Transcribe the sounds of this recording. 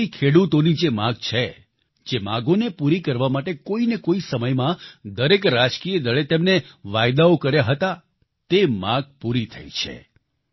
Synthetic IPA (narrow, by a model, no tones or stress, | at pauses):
ikʰeɽut̪onid͡ʒemãɡ̚t͡ʃʰe | d͡ʒemã̰ɡonepuɾikəɾʋamaʈekoinekoisəməjmãd̪əɾekɾad͡ʒkijəd̪əɭet̪emneʋajd̪aokəɾjaɦət̪a | t̪emãɡ̚puɾit̪ʰə̰jt͡ʃʰḛ